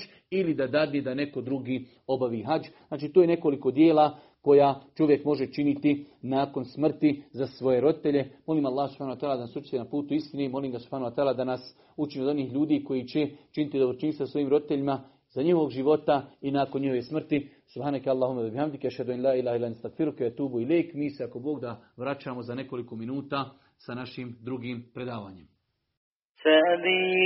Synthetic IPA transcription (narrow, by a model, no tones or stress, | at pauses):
ilid̪ad̪ad̪ned̪ane̞ko̞d̪ɾuɡiː | o̞baʋiɦad͡ʒznaːt͡ʃiːt̪ojene̞ko̞liko̞d̪jeːla | ko̞jaːt͡ʃo̞ʋje̞kmo̞ʒe̞t͡ʃinit̪inaːko̞nsmr̩t̪izasʋo̞je̞ɾo̞d̪it̪e̞ʎe̞mo̞liːmalˠːaːhasub̥hanuwat̪aːlad̪anasut͡ʃi̥t̪enapuːt̪uist̪inemo̞liːmɡasub̥haːnuwat̪aːlaːd̪anas | ut͡ʃiniod̪o̞niːhʎuːd̪iːko̞jit͡ɕe̞t͡ʃinit̪id̪obɾot͡ʃiːnst̪aso̞iːmɾo̞d̪it̪eʎima | z̥aɲiho̞ʋoɡʒiʋo̞t̪ainaːko̞nɲihoʋesmr̩t̪i | subhaːnakalˠːaːɦumawabihamd̪ikaʃhad̪uanlaːilaːhilaanst̪akfiɾukeat̪uːbuilejkmiːseako̞bo̞ːɡd̪aʋɾat͡ʃaːmo̞zane̞ko̞liko̞minuːt̪aː | sanaʃiːmd̪ɾuɡiːmpɾe̞d̪aːʋaːɲem | semi